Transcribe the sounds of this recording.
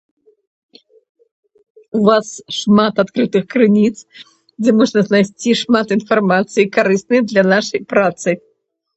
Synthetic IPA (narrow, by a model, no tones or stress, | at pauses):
uvasʂmat̪at̪kɾɨt̪ɨxkɾɨnʲit̪s | d͡zʲɛmɔʐnɐznajsʲt͡sʲiʂmat̪infarmat̪sɨjikaɾɨsnɨjɐd̪lʲɐnaʂɐjpɾat̪sɨ